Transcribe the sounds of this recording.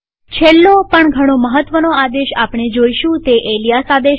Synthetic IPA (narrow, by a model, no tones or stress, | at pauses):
t͡ʃʰelːopəɳɡʱəɽ̃oməɦət̪ːʋənoad̪eʃapɳ̃ed͡ʒoiʃũt̪eʔelijasad̪e